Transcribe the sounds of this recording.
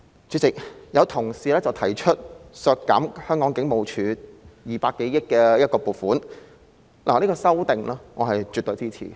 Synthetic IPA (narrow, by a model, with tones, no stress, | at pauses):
t͡ʃyː˨˥t͡sɪ˨k̚jɐ˨˧wt̪ʰʊ˨˩ŋsiː˨˧lɛː˥t͡sɐ˨wt̪ʰɐ˨˩jt͡ʃʰɵ˥t̚sœː˧k̚kːɐ̰˨˥mhœː˥ŋkɔː˨˥ŋkɪ˨˥ŋmo˨wt͡ʃʰyː˨˧jiː˨paː˧kːe˨˥jjɪ˥kːɛː˧jɐ˥t̚kɔː˧puː˨˩t̚fuː˨˥n | lʔa̰ː˨˩liː˥kɔː˧sɐ˥wt̪ɪ˨ŋlɛː˥ŋɔː˨˧hɐ˨jt͡ʃyː˨t̪ɵ˨˧ɥt͡siː˥t͡sʰḭː˨˩